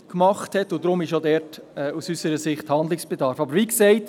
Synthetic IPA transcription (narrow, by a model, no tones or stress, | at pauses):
kmɑχthɛtʊd̥ɾʊmɪʃodɛɾtɛːusysəɾəsɪχthɑndlɪksb̥ɛdɑɾfɑbəɾʋiːksɛɪt